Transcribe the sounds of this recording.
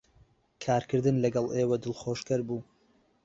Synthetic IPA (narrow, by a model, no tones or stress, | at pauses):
kʰaːɾkɨɾd̪ɨnlɐɡɑlˠʔeːwɐd̪ɨlˠχoːʃkɐɾbuː